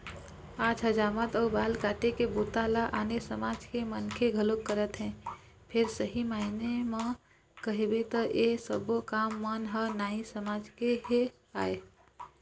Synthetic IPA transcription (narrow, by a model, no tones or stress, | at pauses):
aːd͡ʒɦəd͡ʒaːmət̪ɔːbaːlkaːʈ̪ekebut̪alaʔaːnesəmaːd͡ʒkemənkʰeɡʱəlokːəɾət̪ɦɛ̃ | pʰɪɾsəɦimainemẽ | kəɦebet̪əʔesəbokaːmːənɦənaːĩsəmaːd͡ʒkeɦe | a̰ːe